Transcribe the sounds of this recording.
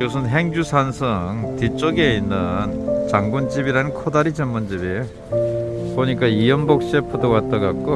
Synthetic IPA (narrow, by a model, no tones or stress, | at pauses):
kos̬ʰɯnɦe̞ŋd͡ʑusʰansʰʌŋtit͡ɕ͈oɡe̞inːɯnt͡ɕaŋɡund͡ʑibiɾanɯnkʰodaɾid͡ʑemmʌnd͡ʑibi | poɲik͈aijʌmbʌk̚ɕ͈epʰɯdowat͈ʌɡak̚k͈o